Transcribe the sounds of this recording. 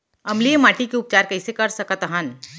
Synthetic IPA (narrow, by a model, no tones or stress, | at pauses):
ɐmliemaːʈikeʊp̚t͡ʃaːɾkɐɪsekɐɾsɐkət̪ɦən